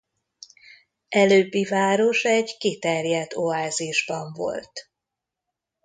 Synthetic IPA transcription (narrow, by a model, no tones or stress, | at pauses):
ʔɛløːbːivaːɾo̞ʃɛɟkit̪ɛrjɛt̪ːoaːziʒbɒɱvo̞̰lt̪